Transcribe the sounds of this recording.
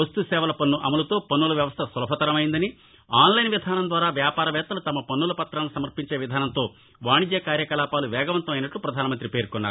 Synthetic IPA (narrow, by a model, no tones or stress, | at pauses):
ɐst̪usɛːʋɐlɐpɐnːuʔɐmɐlɐt̪o̞ːpɐnːulɐʋjɐʋɐst̪ʰɐsulɐpɐt̪ɐɾɐmɐjind̪ɐni | aːnlɐjnʋid̪ʱaːnɐnd̪ʋaːɾaːʋjaːpaːɾɐʋɛːt̪ɐlut̪ɐmɐpɐnːulɐpɐt̪ɾaːnlusɐmɐɾpiɲt͡ʃe̞ːʋid̪ʱaːnɐnt̪o̞ː | ʋaːɳid̪jɐkaːɾjɐkɐlaːpaːluʋɛːɡɐʋɐnt̪ɐmɐjnɐʈːlupɾɐd̪ʱaːnɐmɐnt̪ɾipe̞ːɾkunːaːɾu